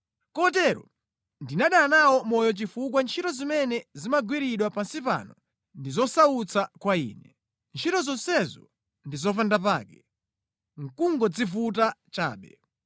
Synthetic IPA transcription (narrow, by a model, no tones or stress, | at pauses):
kɔt̬ɛɾɔ̰ | ndinaɗanawɔmɔjɔt͡ʃifuk̬want͡ʃʰitɔzimɛnɛzimaɡwiɾiɗwapansipa̰nɔ | ndizɔsaut͡sʰakwaḭːnɛ | nt͡ʃʰitɔzɔnsɛzɔ̰ | ndizɔfandap̬aːkɛ | ŋ̩kuŋɡɔd͡zifut̬at͡ʃa̰ːɓɛ̰